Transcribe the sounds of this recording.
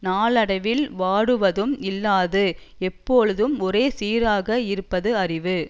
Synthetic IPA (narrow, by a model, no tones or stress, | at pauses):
naːɭɐɽɐʋɪlʋaːɽɯʋɐðɯmɪlːaːðɯ | ɛpːoːɻɯðɯmɔɾeːsiːɾaːɣɐɪɾɯpːɐðɯɐrɪʋɯ